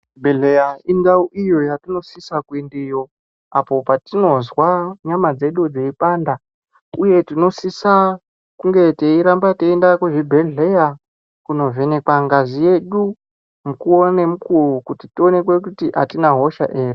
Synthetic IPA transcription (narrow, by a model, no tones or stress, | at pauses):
bʱeɮejaindauʔijo̞jatino̞sisakwindijo̞ | apo̞patino̞zwaɲamad͡ze̞ɗud͡zeipanda | uje̞tino̞sisa | kuŋɡe̞teiɾambateindakuʐibʱe̞ɮeja | kuno̞ve̞ne̞kwaŋɡazije̞ɗu | mukuo̞nemukurukutitio̞ne̞kwe̞kutiʔa̰tinaɦo̞ʃa̰ʔe̞ːrie